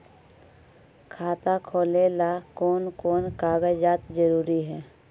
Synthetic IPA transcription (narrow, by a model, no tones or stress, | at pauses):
kʰaːt̪akʰoːlelakɔːnkoːnkaːɡəd͡ʒd͡ʒaːt̪d͡ʒəɾuːɾiɦɛː